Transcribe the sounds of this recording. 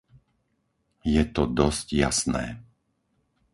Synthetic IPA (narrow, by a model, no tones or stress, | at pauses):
jɛt̪ɔd̪ɔscja̰snɛ̰ː